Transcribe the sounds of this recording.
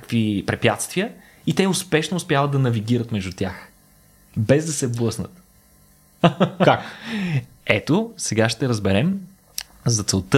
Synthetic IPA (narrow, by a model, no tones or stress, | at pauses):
akvipɾɛpjat̪st̪viə | it̪ɛʊspɛʃnoːspʲjavəd̪ɐnɐviɡʲiɾət̪mɛʒd̪ut̪ʲjax | bɛzd̪ɐsɛblˠɤsnə̰t̪ | kak | ɛt̪osɛɡaʃt̪ɛɾəzbɛɾɛm | zɐt̪sɛlˠt̪ə